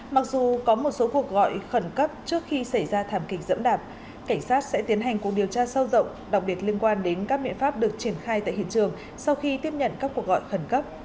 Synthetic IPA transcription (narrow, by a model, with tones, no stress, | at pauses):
ma˨˩k̚zu˨˩kɔ˨˦mo˨˩t̚so˨˦ku˨˩ək̚ɣɔ̰˧˨jxə˧˩nkə˦˥p̚t͡ɕɨ˦˥ək̚xi˧sa˧˩jzaː˧t̪ʰaː˧˩mkï˨˩k̟̚zə̰˧˥mɗaː˨˩p̚ | ka˧˩jŋ̟saː˦˥t̚sɛ̰˧˥t̪i˨˦ənɦa˨˩jŋ̟ku˨˩ək̚ɗi˨˩əwt͡ɕaː˧sə˧wzə̰˧˨wŋ͡mɗa˨˩wk͡p̚ɓi˨˩ət̚li˧ənkwaː˧nɗe˨˦nkaː˦˥k̚ɓḭ˧˨ənfaː˦˥p̚ɗɨ˨˩ək̚t͡ɕi˧˩ənxaː˧jt̪a̰ː˧˨jɦḭ˧˨ənt͡ɕɨ˨˩əŋ | sa˧wxi˧t̪i˦˥əp̚ɲə̰˧˨nkaː˦˥kːu˨˩ək̚ɣɔ̰˧˨jxə˧˩nkə˦˥p̚